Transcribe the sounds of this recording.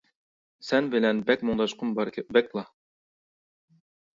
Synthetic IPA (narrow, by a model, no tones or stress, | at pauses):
sɛnbɪlɛnbɛkʲmʊŋd̪ɑʃqʰʊnbɑɾʲbɛklˠɑ